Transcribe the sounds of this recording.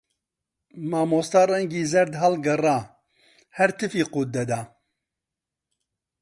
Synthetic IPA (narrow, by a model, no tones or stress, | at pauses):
maːmoːst̪aːrɛŋɡiːzɛɾd̪ɦalɡɐraː | hɛɾt̪ʰɨfiːquːt̪̚ːɐd̪aː